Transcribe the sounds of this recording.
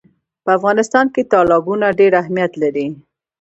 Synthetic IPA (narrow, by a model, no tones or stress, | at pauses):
pəafɣɑnɪst̪ɑnket̪ɑlɪbunaɖeɾaɦmijat̪laɾi